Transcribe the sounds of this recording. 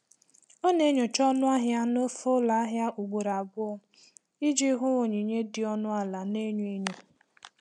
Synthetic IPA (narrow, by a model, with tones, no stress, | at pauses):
ɔ˦ne˦ɲo˨t͡ʃɔ˦nʊ˦a˦ɦja˦no˦fo˦la˨a˦ɦja˦ʔu˨ɡ͡bo˨ɾa˨bʊ˦ɔ˦ | i˦d͡ʒi˦ɦʊ˦ŋo˨ɲi˨ɲe˦dɪ˨ɔ˦nʊ˦a˨la˨ne˦ɲu˦e˦ɲu˨